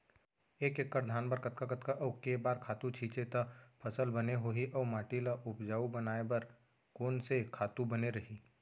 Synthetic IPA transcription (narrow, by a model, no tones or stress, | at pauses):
eːkekːəɾd̪ʱaːnbɐɾkɐt̪kakɐt̪kaʔɔːkeːbaːɾkʰaːt̪ũt͡ʃʰiːt͡ʃet̪apʰɐsəlbɐneɦoɦiʔɔːmaːʈilaʔʊpd͡ʒaːubɐnaːebɐɾ | koːnsekʰaːt̪ũbɐneɾɐɦiː